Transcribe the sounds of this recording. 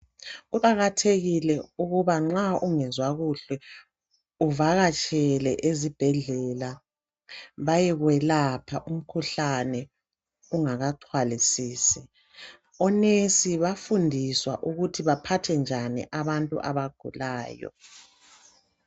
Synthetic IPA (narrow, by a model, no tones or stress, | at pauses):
uɣaɣatʰeɣilɛuɣuβaŋ͡ǁaʔuŋɛzwaɣuɬwɛ | uvaɣat͡ʃʰʼɛlɛʔezib̥ʱɛɮɛla | βajɛɣwɛlapʰaʔum̩kʰuɬanɛ | uŋaɣatʰwalisiːsɛ | ɔnesiβafundʱiswaʔuɣutʰiβapʰatʰɛnd͡ʒʱanḭʔaβantʼṵʔa̰βaɡ̥ʱṵlaːjɔ̰